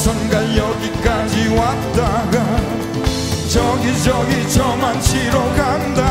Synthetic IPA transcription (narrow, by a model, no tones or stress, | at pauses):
sʰʌnɡaljʌɡik͈ad͡ʑiwat̚t̪͈aɡa | t͡ɕʌɡid͡ʑʌɡit͡ɕʌmant͡ɕʰiɾoɡand̪a